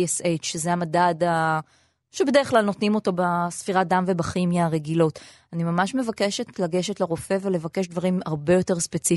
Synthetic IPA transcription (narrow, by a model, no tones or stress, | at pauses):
sejt͡ʃʃezeamadada | ʃebe̞deeχlalno̞tnimo̞to̞basfiʁadamve̞baχimjaːʁeɡilo̞t | animamaʃme̞vakeʃe̞tlaɡe̞ʃetleʁo̞fe̞vele̞vake̞ʃdvaʁimaʁbe̞jo̞te̞ʁspe̞t͡si